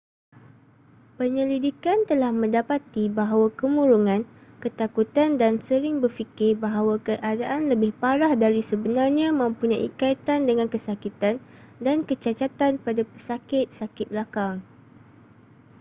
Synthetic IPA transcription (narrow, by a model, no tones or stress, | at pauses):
pəɲəlidikant̪əlahmə̃ndapat̪ibaɦawakəmũɾuŋãnkət̪akut̪andansəɾɪŋbərfikɪrbaɦawakəʔadaʔanləbɪhpaɾahdaɾisəbənarɲãmə̃mpuɲãʔḭkait̪andəŋãnkəsakit̪andankət͡ʃat͡ʃat̪anpadapəsakɪt̪̚sakɪt̪̚bəlakaŋ